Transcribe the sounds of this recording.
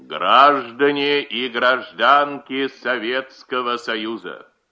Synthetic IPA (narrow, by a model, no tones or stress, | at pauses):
ɡraʐd̪ənʲɪʔiɡɾɐʐd̪ankʲɪsɐvʲet̪skəvəsɐjuzə̰